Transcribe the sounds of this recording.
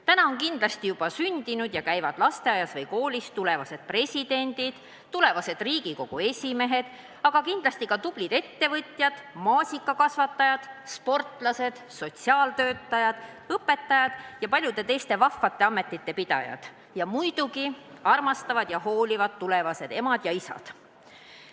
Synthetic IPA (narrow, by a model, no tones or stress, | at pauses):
t̪ænɑo̞nkind̪lɑst̪ijub̥ɑsynʲd̪inud̪̥jɑkæjvɑd̪lɑst̪e̞ɑjɑsvɤjko̞ːlʲist̪ule̞vɑse̞d̪̥̚pre̞sʲid̪e̞nʲd̪̥id̪̥ | t̪ːule̞vɑse̞d̪̥riːɡiko̞ɡ̥ue̞sʲime̞ɦe̞d̪̥ | ɑɡ̥ɑkind̪lɑsʲt̪ikɑt̪ub̥lid̪e̞t̪ːe̞vɤt̪ʲjɑd̪̥mɑːsʲikːˑɑkɑsvɑt̪ˑːɑjɑd̪̥spo̞rt̪lɑse̞d̪̥so̞t̪ʲsiɑːlt̪ø̞ːt̪ˑːɑjɑd̪̥ | ɤpːe̞t̪ːɑjɑd̪̥jɑpɑlʲjud̪̥e̞t̪e̞jst̪e̞vɑfːɑt̪ːˑe̞ɑmːe̞t̪ːˑit̪ːe̞pid̪̥ɑ̰jɑ̰d̪̥ | jɑmujd̪̥ukiɑrmɑst̪ɑvɑd̪̥jɑho̞ːlʲivɑd̪̥t̪ːule̞vɑse̞d̪e̞mɑd̪̥jɑisɑ̰d̪̥